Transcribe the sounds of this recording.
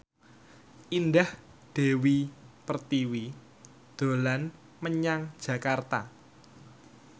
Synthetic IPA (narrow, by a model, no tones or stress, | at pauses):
ʔindah | d̪̥e̤wipərt̪iwi | d̪̥o̤lan | məɲaŋd̥ʒ̥ä̤kart̪a̰